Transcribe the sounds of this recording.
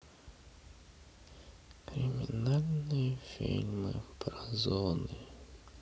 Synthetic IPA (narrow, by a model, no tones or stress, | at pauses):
kɾɨmʲinalʲnɨjɐfʲḭlʲmɨ̰pɾɐzɔnɨ